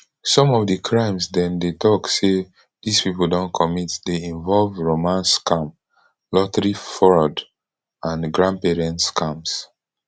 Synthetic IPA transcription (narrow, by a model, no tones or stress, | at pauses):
sɔ̃mɔvdəkʰɹãɪ̃msdɛ̃mdetɔkse | dispipl̩dõnkʰɔmitdeĩɱvɔlvɹomãnskãm | lɔtɹifɔɹɔd | ãnɡɹãnpɛɹɛ̃ntskʰãms